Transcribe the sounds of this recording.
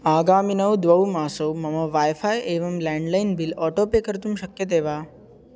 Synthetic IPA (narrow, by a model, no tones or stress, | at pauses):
aːɡaːminɐwd̪ʋɐwmaːsoːmɐmɐʋaːjfʰaːjeːʋɐmlɛ̃ːɳɖlajnbilɔːʈoːpeːkɐɾt̪umʃɐkjɐt̪̬eːʋaː